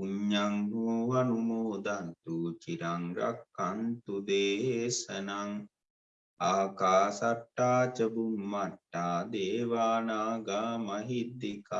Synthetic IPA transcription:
uɲːaŋɦuʋanumoːd̪ant̪ut͡ʃiɾaŋɾa̰kːant̪ud̪eːɦesənaŋ | aːkaːsaʈːaːt͡ʃəbumːaʈːaːd̪eːʋaːnaːɡaːmɐɦid̪ːika

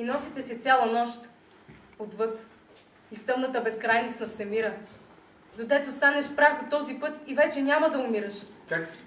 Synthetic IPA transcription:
inɔsit̪ɛsɛt̪sʲalˠɐnɔʃt̪ | ot̪vɤt̪ | ist̪ɤlˠnət̪əbɛskɾajnost̪nɐfsɛmiɾə | d̪od̪ɛt̪ost̪anɛʃpɾaxot̪ɔzipɤt̪ivɛt͡ʃɛnʲamɐd̪ɐʊmiɾɐʃka

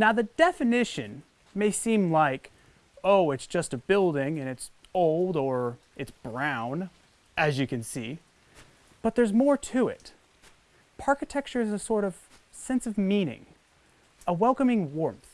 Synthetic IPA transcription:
naʊðɨdɛfɨnɪʃɨ̰̃n | meɪsĩmlaɪk | oʊɨtsd̥ʒ̥ʌstɨbɪlˠdɪ̃ŋɨ̃ñɨts | oʊlˠdə˞ | ɨtsb̥ɹãʊ̃n | ʔɨzjɨkɨ̃nsi | b̥ʌt̪̚ðə˞zmɔɹtʰɨɪ̰t | pʰɑɹkɨtʰɛk̚t͡ʃə˞ɨzɨsɔɹɾʌv̥ | sɛ̃nsʌvmĩnɪ̰̃ŋ | əwɛlˠkəmɪ̃ŋwɔɹmθ

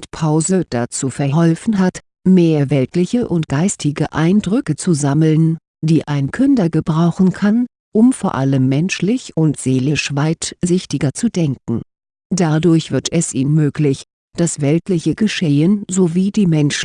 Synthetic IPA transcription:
tpʰaʊzəd̥a̰t͡suːfɛɐɦɔlfn̩ɦat | meːɐvɛltlɪçəʔʊntɡ̥aɪstʰɪɡəʔaɪndʁʏkət͡suzaml̩n | d̥iːʔaɪnkʰʏndɐɡəbʁaʊxn̩kʰan | ʔʊmfoːɐʔaləmːɛnʃlɪçʊntz̥eːlɪʃv̥aɪtzɪçtɪɡɐt͡sudɛŋkŋ̩ | d̥adʊɐçv̥ɪɐtʰɛsʔiːnmøːklɪç | d̥asv̥ɛltlɪçəɡəʃeːənzoviːdiːmɛnʃ

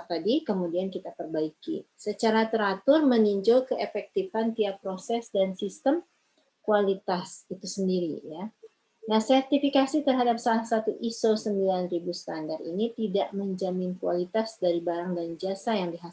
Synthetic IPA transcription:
t̪adikəmudiankit̪apərbaikḭsət͡ʃaɾat̪əɾat̪ʊrməniɲd͡ʒʊlkəʔefɛk̚t̪ifant̪iapɾosɛsdansist̪əm | kualit̪asit̪usəndiɾija | nahsɛrt̪ifikasit̪ərɦadap̚salahsat̪uʔisosəmbilanribust̪andarḭnit̪idaʔməɲd͡ʒamɪnkualit̪asdaɾibaɾaŋdand͡ʒasajaŋdiɦa

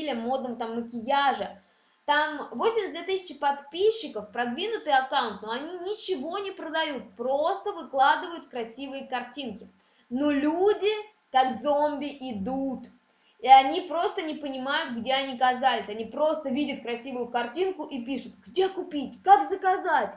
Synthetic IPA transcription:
lʲɪəmo̞d̪nəvət̪amːəkʲɪjaʐə | t̪amvo̞sʲɪmʲsd̪vʲet̪ɨsʲɪt͡ɕɪpɐt̪pʲiɕːɪkəfpɾɐd̪vʲinʊt̪ɨjɐkawʊnt̪noɐnʲinʲɪt͡ɕɪvo̞nʲɪpɾəd̪ɐjut̪̚pɾo̞st̪əvɨklˠad̪ɨvəjʊt̪kɾɐsʲivɨjəkɐrtʲinkʲɪ | nolʲudʲɪ | kaɡzo̞mʲbʲɪʔɪd̪ut̪ | iɐnʲipɾo̞st̪ənʲɪpənʲɪmajʊt̪̚ɡdʲeɐnʲikɐzalʲɪsʲɐnʲipɾo̞st̪əvʲidʲɪt̪̚kɾɐsʲivʊjʊkɐrtʲinkʊʔipʲiʂʊt̪ɡdʲe̞kʊpʲitʲkakzəkazatʲ

